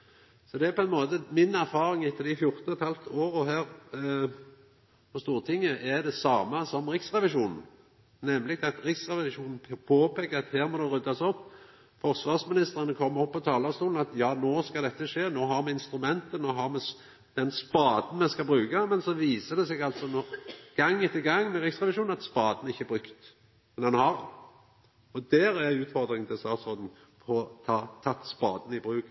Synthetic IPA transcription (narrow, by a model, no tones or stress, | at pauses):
sɔd̪ɛæɾpʰɔɛnmoːt̪əmɪnæʁfɑːɾɪŋɪt̪ʰːəld̪ɪfjʊɾt̪n̩ɔɛt̪hɑlft̪oːɾɔɦæːʁ | pɔst̪uːʁt̪ʰɪŋːəʔɛd̪ɛsɑːməsɔmɾɪksʁɛʋɪʃuːnn̩ | nɛmlɪɡɑt̪ɾɪksʁɛʋɪʂuːnn̩pʰoːpʰeːkəɾɑt̪hæːɾmɔd̪ɛɾʉd̪ɑsɔpː | fɔɾsʋɑːʁsmɪnɪst̪əɾɑnəkʰɔmːɔpːɔt̪ʰɑːlɑst̪uːln̩ɑt̪jɑːnoːskɑd̪ɛt̪ːəʂeːnoːɦɑɾmɛɪnst̪ɾʉmɛnt̪ənoːɦɑʁmɛ | d̪̥ɛnspɑːd̪n̩mɛskɑbɾʉːkɑmɛnsɔʋiːsəd̪ɛseːɡɑlt̪sɔnɔɡ̥ɑŋːɪt̪ːəɡɑŋːmɛʁɪksʁɛʋɪʃuːnɑt̪spɑːd̪nɪçːəɛbɾʉkt̪ | mɛnɑnhɑɾ | ɔd̪æːɾæʉːt̪fɔʁd̪ɾɪŋʰɪlst̪ɑːt̪sʁoːd̪n̩ | pʰɔt̪ʰɑːt̪ʰɑt̪ːspɑ̰ːd̪n̩ɪbɾʉːk